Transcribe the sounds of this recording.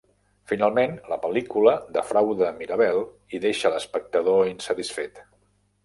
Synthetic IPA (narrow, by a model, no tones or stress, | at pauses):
finalˠmenləpəlikuləðəfɾawðəmiɾəβɛlˠ | iðeʃələspək̚t̪əðoinsət̪isfet̪